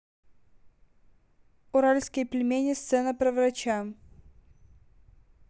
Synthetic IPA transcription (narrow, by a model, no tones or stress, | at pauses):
ʊɾalʲskʲɪjplʲɪmʲenʲɪst̪sɛnəpɾɐvɾɐt͡ɕam